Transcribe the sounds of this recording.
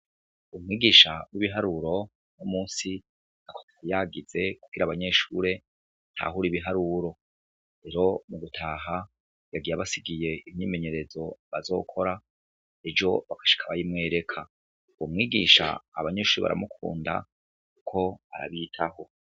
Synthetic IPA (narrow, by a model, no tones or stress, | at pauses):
umŋiːɡiːʃawiβiɦaɾuɾo̞ | numuːnsi | akʰo̥taijaɡize̞kuɡ̥iɾaβaɲe̞ʃuɾe̞ | ntha̰ɦuɾiβiɦaɾuɾo̞ | ɾe̞ɾo̞muɡutʰaːɦa | jaɡijaβasiɡije̞imɲiːme̞ɲe̞ɾe̞zo̞βazo̞̰ːkʰo̞ɾa | ed͡ʒo̞βakḁʃi̥kʰaβajimŋe̞ːɾe̞kʰa | umŋiːɡiʃa̰ːβaɲe̞ːʃuːɾeβa̰ɾa̰mukʰṵːnda̰ | kukʰo̞a̰ɾa̰βitʰaho̞